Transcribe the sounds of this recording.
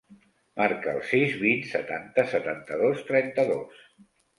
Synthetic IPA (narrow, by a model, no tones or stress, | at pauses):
maɾkə̰ːlˠsizβinsə̰t̪ant̪əsət̪ant̪əðost̪ɾɛnt̪əðos